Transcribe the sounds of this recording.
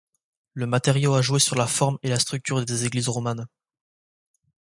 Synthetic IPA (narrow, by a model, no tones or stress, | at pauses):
ləmat̪eʁjoaʒwesyʁlafɔʁmelast̪χyk̚t̪yʁd̪ezeɡlizʁɔman